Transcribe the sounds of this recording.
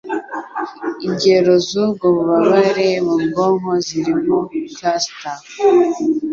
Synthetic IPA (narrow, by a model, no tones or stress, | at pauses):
iɲɟeɾozuɡoβuβaβaɾemumɡoŋoziɾimokasta